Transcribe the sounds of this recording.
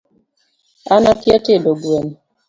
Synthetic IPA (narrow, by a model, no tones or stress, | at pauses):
anapjatedoɡuem